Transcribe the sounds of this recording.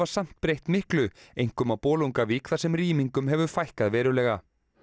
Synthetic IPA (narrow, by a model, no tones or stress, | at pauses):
vḁsam̥t̪̚pɾejht̪mɪhklʏejŋ̥kʏmawpɔːluŋkaviːkθaɾsɛmriːmiŋkʏmɦɛvʏfajhkaðvɛːɾʏlɛːɣa